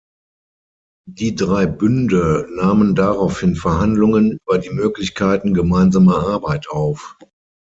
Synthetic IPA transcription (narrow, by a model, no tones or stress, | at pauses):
d̥iːdʁaɪbʏndənaːməndaʁaʊfhɪnfɛɐhandlʊŋənʔyːbɐdiːmøːklɪçkʰaɪtn̩ɡəmaɪnzaːmɐʔaɐbaɪtʰʔaʊf